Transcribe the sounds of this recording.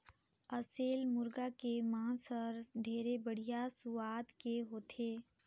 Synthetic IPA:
əseːlmʊɾɡakemãːsəɾd̪ʱeːɾebəɽ̤ijasʊaːd̪keɦoːt̪ʰeː

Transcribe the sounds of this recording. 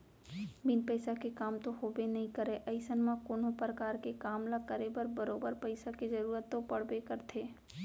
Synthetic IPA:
bɪnpɛɪsakekaːmt̪oɦoːbenɐɦĩkəɾeʔɐɪsənmãkoːnõpɾəkaːɾkekaːmlakəɾebəɾbəɾoːbəɾpəɪsakezɐɾuːɾət̪ːopɐɽ̤bekəɾt̪ʰeː

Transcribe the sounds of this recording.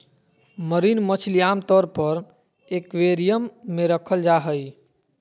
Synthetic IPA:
məɾinmət͡ʃʰlijamt̪ɔɾpəɾ | ekʋeɾijəmːeɾəkʰəld͡ʒaɦəj

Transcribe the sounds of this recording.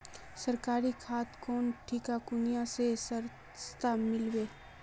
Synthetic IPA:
səɾkaːɾikʰaːt̪kɔːnʈʰikakʊnijasesəɾ | st̪amɪlweː

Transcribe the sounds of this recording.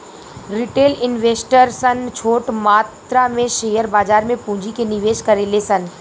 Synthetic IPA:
ɾɪʈeːlɪnʋeːsʈəɾsənt͡ʃʰoːʈmaːt̪ɾamẽʃeːjəɾbaːzaːɾmẽpũːɲd͡ʑikʰenɪʋeːʃkɐɾelesɐn

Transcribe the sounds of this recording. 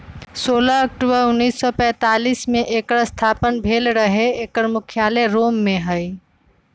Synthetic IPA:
soːlaɐk̚ʈubəɾʊnːiːsːɔpɛ̃ːt̪aːliːsmẽʔeːkɾəst̪ʰaːpənbʱeːlɾəɦeeːkəɾmʊkʰjaːleɾoːmːẽɦəi

